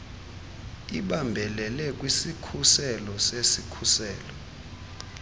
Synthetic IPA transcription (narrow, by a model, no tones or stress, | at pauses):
iɓambʱɛlɛlɛk̬ʼwisikʰusɛlɔsesikʰusɛːlɔ